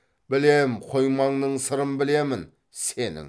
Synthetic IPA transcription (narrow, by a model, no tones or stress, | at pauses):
bɪle̞mqʰojmɑɴnəɴsəɾəmbɪle̞mɪn | se̞nɪ̰ŋ